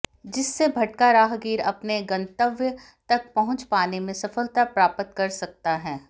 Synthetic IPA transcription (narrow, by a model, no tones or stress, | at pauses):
d͡ʒɪsːebʱɐʈ̚kaɾaːɦɡiːɾɐpneɡɐ̃nt̪əʋjə | t̪ɐk̚pɐɦʊ̃t͡ʃpaːnemẽsɐfəlt̪apɾaːpət̪kɐɾsɐk̚t̪aɦɛː